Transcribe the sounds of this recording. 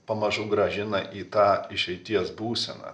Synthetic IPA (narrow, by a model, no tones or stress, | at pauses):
pɐmɐʒʊɡɾɐʒʲɪnɐʔiːt̪ɑːɪʃʲɛɪt̪ʲiɛsbuːsʲɛ̰nɐ̰ː